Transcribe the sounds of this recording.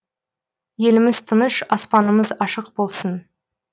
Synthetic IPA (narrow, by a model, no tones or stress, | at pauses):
je̞lɪmɪzt̪ʰənəʃɑspɑnəməzɑʃəq̚bo̞lˠsən